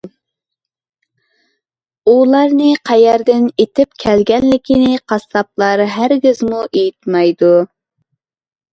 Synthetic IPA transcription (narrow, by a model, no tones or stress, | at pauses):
ulˠɑɾnɨqʰɛjɛɾd̪ɪnet̪ʰɪp̚kʲʰælɡʲɛnlɪkʲʰinɪqʰɑst̪ɑp̚lˠɑɾɦæɾɡʲɪzmuʔejit̪mɑjd̪u